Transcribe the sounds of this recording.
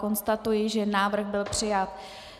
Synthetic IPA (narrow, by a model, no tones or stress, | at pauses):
ko̞nst̪at̪ujɪʒɛnaːvr̩xbɪlpr̝̥ɪjat̪̚